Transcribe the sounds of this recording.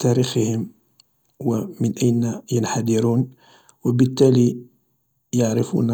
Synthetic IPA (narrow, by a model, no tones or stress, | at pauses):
t̪æɾixəhəm | wæmənʔæjnjənħad̪ɪɾuːn | wəbət̪ːæli | jaʕɾəfṵn